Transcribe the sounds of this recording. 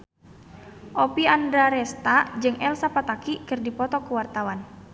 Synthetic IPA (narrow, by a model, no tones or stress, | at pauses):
ʔopiandɾaɾɛst̪ad͡ʒɨŋɛlsapat̪akikɨrdipɔt̪ɔkuwart̪awan